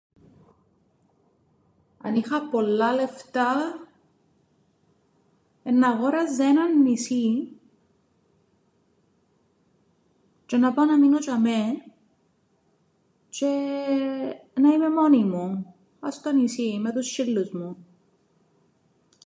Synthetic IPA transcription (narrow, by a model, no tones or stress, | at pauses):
ɐ̰nixɐpolːɐle̞ft̪ɐ | enːɐɣoɾɐzenɐnːisi | t͡ʃenɐpɐnɐminot͡ʃɐme | t͡ʃe | nɐimemonimu | ɐst̪onisimet̪ust͡ʃilːuzmu